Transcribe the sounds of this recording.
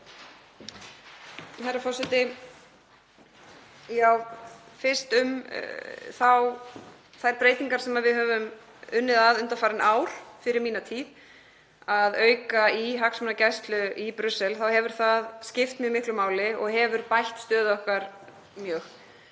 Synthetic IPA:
hajɾafɔrsɛt̪ɪ | jaːwfɪ̥st̪ʏm | θaw | θaðɛɾpɾeːjt̪iŋkaɾsɛmaðvɪðɦœːvʏm | ʏnːɪðaðʏnt̪afaːɾɪnʔaːwɾ̥fɪɾɪɾmiːnat̪ʰiːð | aðœːɥkaiɦaksmʏnacajst̪lʏʔipɾʏsːɛlθawhɛvʏɾ̥θaðscɪft̪mjœmɪhklʏmaːwlɪɔɣɦɛvʏɾpajht̪st̪œːðɔhkvaɾ | mjœːx

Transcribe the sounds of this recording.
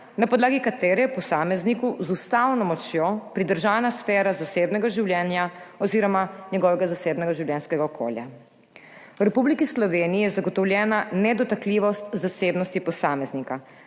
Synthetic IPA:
napɔd̪laːɡikat̪eɾɛpɔsaːmɛznikuzust̪awnɔmɔt͡ʃjopɾid̪əɾʒaːnasfɛːɾazaseːbnɛɡaʒiwlʲjɛːnjaɔziːɾɔmaɲɛɡɔːʋɛɡazaseːbnɛɡaʒiwlʲjɛnskɛɡaɔkʰo̰ːlja̰ | wɾɛpublikislɔʋeːniijɛzaɡɔt̪ɔwlʲjɛːnanɛd̪ɔt̪akliːʋɔst̪zaseːbnɔst̪ipɔsaːmɛznika

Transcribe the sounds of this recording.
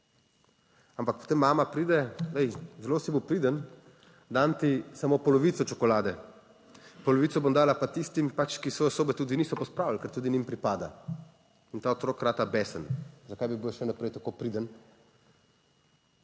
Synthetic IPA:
ampak̚pɔ̥t̪eːmːaːmapɾiːd̪ɛd̪ɛjzɛloːsibiwpɾiːd̪ən | d̪ant̪isamoːpɔlɔʋiːt̪sɔt͡ʃɔkɔlaːd̪ɛ | pɔlɔʋiːt̪ɔbomd̪aːlapat̪ist̪impat͡ʃkisʋɔːjɔsoːbɛt̪uːd̪iniːsɔpɔspɾaːwllkɛɾt̪uːd̪inimpɾipaːd̪a̰ | int̪aːɔt̪ɾoːkɾaːt̪abɛsənzakajbibiwʃɛnapɾɛjt̪akoːpɾid̪ən

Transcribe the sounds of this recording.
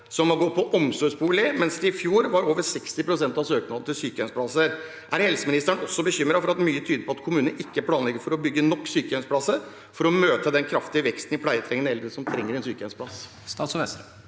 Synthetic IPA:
sɔmhɑɡɔt̪̚pʰɔʔɔmsɔspuːlɪmɛnsd̪ɛɪfjuːɾʋɑɾoːʋəɾsɛkst̪ɪpɾʊsɛnt̪ɑsøːknɑd̪ət̪ʰɪlsyːkəœnspʰlɑsəɾ | ʔæɾhɛlsəmɪnɪst̪æɳɔsːɔbəçʏmɾɑfɔɾɑt̪myːət̪ʰyːd̪əɾpʰɔɑt̪kʰʊmʉːnnʔɪkːəæɾpʰlɑːnlɛɡːəɾfɔɾɔbʏɡːənɔkːsyːkəhœnspʰlɑsːəɾ | fɔɾɔmøːt̪əd̪ɛnkʰɾɑft̪ɪəʋɛkst̪n̩ɪpʰɽæɪət̪ʰɾɛŋːənəɛləɾəsɔmt̪ʰɾɛŋːəɾɛnsyːkəɛnspʰlɑs | st̪ɑsɛ

